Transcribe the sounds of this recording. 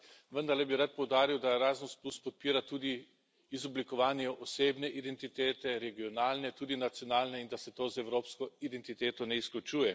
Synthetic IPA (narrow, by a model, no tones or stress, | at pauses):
ʋənd̪aɾlɛbiɾat̪̚pɔwd̪aːɾiwd̪aɾaːzənspluspɔt̪̚piːɾat̪uːd̪i | izɔblikɔʋaːnjɛʔɔseːbnɛʔid̪ɛnt̪it̪eːt̪ɛɾɛɡiɔnaːlnɛt̪uːd̪inat̪sjɔnaːlnɛind̪asɛt̪oːzɛwɾoːpskɔid̪ɛnt̪it̪eːt̪ɔnɛisklut͡ʃuːjɛ